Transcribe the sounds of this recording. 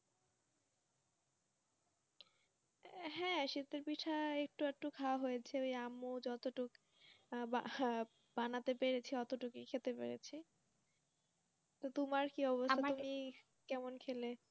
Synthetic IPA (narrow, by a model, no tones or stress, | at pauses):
ɦɛ̃ʃit̪eɾpiʈʰaek̚ʈuɛk̚ʈukʰawaɦojet͡ɕʰeojamod͡ʑɔt̪oʈuk | ba | b̥anat̪epeɾet͡ɕʰiɔt̪oʈukikʰelt̪epḛɾḛt͡ɕʰi | t̪ot̪umaɾkiɔbosʰaumi | kɛmonkʰele